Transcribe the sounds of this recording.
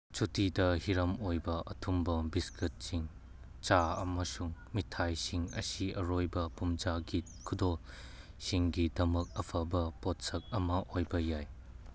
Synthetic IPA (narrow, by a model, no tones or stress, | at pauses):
t͡ʃutidɐhiɾɐmojbɐʔɐ̰tʰumbɐbiskit̚siŋ | t͡ʃaɐ̰mɐsuŋmitʰajsiŋɐ̰siɐɾojbɐpumd͡ʒaɡit̚kʰudol | siŋɡidɐmɐk̚ɐpʰɐbɐpot̚sɐk̚ɐmɐʔojbɐjaj